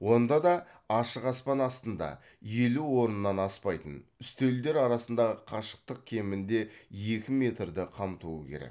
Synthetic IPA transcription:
wo̞nd̪ɑd̪ɑɑʃəqɑspɑnɑst̪ənd̪ɑ̰ | je̞luwo̞ɾənəːɑnɑspɑjt̪ənʏst̪eld̪eɾɑɾɑsənd̪ɑʁəqʰɑʃə̥q̚t̪əq̚kʲʰe̞mɪnd̪e̞je̞kʲɪme̞t̪rd̪ɪqʰɑmt̪uəkʲʰe̞̰ɾḛk

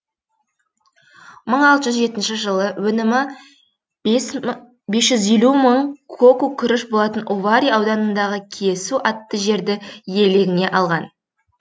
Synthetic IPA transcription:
məɴɑlˠt̪əʒʏzʒe̞t̪ɪnʃɪʒəlˠəwɵnɪmɪ | be̞sʒ̥ʏzje̞luməɴkʰokukʲʰʏɾɪʃbo̞lˠɑt̪ənʔovaɾʲiɑwd̪ɑnənd̪ɑʁəkʲʰesuʔɑt̪ːəʒe̞ɾd̪ɪje̞le̞ɡʲɪne̞ʔɑlˠʁɑn

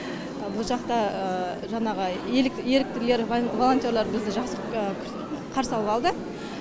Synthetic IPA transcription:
bʊlˠʒɑqt̪ɑəʒɑɴɑʁəelɪje̞lɪk̚t̪ɪɾle̞ɾvolˠont̪ʲjorlˠɑɾbɪzd̪ɪʒɑqsəkʲʰ | qʰɑɾsɑlˠəpɑlˠd̪ə

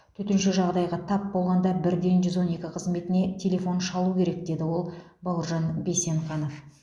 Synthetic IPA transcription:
t̪ʰɵt̪ɪnʃɪʒɑʁd̪ɑjʁɑt̪ʰɑpbo̞lˠʁɑnd̪ɑbɪɾd̪e̞nʒʏzwo̞ne̞kʲɪqʰəzme̞t̪ɪne̞t̪ʲʰe̞lʲe̞fo̞nʃɑlˠukʲʰe̞ɾek̚d̪e̞d̪ɪwo̞lˠbolˠəɾʒɑnbe̞se̞ɴχɑno̞f

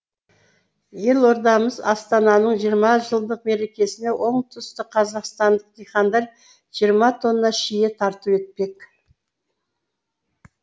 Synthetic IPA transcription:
je̞lˠo̞ɾd̪ɑməzɑst̪ɑnɑnəɴʒijəɾmɑʒəlˠd̪əq̚me̞ɾe̞kʲe̞sɪne̞wʔo̞ɴt̪ʰʏst̪ɪqʰɑzɑqst̪ɑnd̪əq̚d̪ijχɑnd̪ɑlʲ | ʒ̥ijəɾmɑt̪ʰo̞nːɑʃijet̪ʰɑɾt̪əpwe̞t̪̚pe̞k

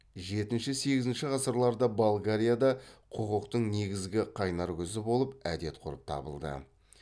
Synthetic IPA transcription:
ʒe̞t̪ɪnʃɪse̞ɡʲɪzɪnʃɪʁɑsəɾlˠɑɾd̪ɑbolˠɡaɾʲijad̪ɑqʰoqəqt̪əɴne̞ɡʲɪzɡʲɪqʰɑjnɑɾkʲʏzɪbo̞lˠəpæd̪e̞t̪̚qʰʊɾəp̚t̪ʰɑ̰bə̰lˠd̪ə̰

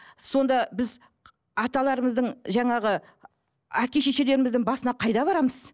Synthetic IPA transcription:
so̞nd̪ɑbɪz | ɑt̪ɑlˠɑɾəməzd̪əɴʒɑɴɑʁə | ækʲe̞ʃe̞ʃe̞le̞ɾɪmɪzd̪ɪŋbɑsənɑqʰɑjd̪ɑβɑɾɑməz

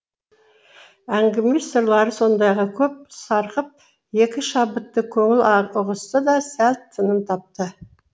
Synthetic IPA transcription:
æŋɡʲɪmesəɾlˠɑɾəso̞nd̪ɑjʁɑkʲʰɵp̚sɑɾqəp̚ | je̞kʲɪʃɑbət̪ːəkʲʰɵŋɪlʊʁəst̪əd̪ɑsælt̪ʰːənəmt̪ʰɑp̚t̪ə

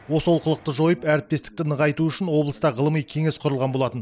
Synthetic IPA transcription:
wo̞səwolˠqəlˠəq̚t̪əʒo̞jəpæɾɪp̚t̪e̞st̪ɪk̚t̪ɪnəʁɑjt̪uʏʃɪnwo̞blˠəst̪ɑʁəlˠəmijkʲʰe̞ŋe̞sqʰʊɾəlˠʁɑnbo̞lˠɑt̪ən

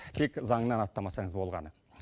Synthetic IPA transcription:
t̪ʰe̞kzɑɴənɑnɑt̪ːɑmɑsɑɴəzbo̞lˠʁɑ̰nə

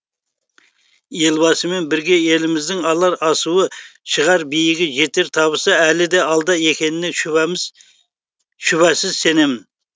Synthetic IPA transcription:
jelbɑsɨme̞nbɪɾɡʲeelɪmɪzd̪ɪŋɑlˠɑɾɑsuwəʃəʁɑɾbijɪɡʲɪʒet̪eɾt̪ʰɑbəsɑælɪd̪eɑlˠd̪ɑekʲenɪne | ʃʊβæsɪz̥se̞nemɪ

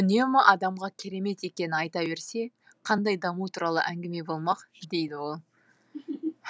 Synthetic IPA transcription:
ʏne̞mɪʔɑd̪ɑmʁɑkʲʰeɾe̞me̞t̪e̞kʲe̞nɪɑjt̪ɑbe̞ɾse̞ | qʰɑnd̪ɑjd̪ɑmut̪ʰuɾɑlˠə̰ʔæŋɡʲɪme̞bo̞lˠmɑqd̪e̞jd̪ɪwo̞lˠ

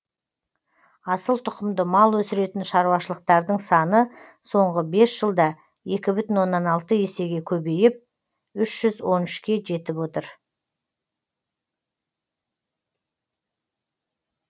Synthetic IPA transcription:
ɑsəlˠt̪ʰʊqəmd̪əmɑlˠwɵsɪɾe̞t̪ɪnʃɑɾuwɑʃəlˠəq̚t̪ɑɾd̪əɴsɑnə | so̞ɴʁəbe̞sʒ̥əlˠd̪ɑ | e̞kʲɪbʏt̪ɪnwo̞nːɑnɑlˠt̪əjese̞ɡʲe̞kʲʰɵbe̞jɪp̚ | ʏʃʒ̥ʏzwo̞nʏʃkʲe̞ʒe̞t̪ɪpwo̞t̪əɾ

